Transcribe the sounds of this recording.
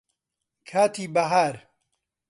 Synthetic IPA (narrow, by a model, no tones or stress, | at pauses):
kʰaːt̪iːbɐɦaːɾ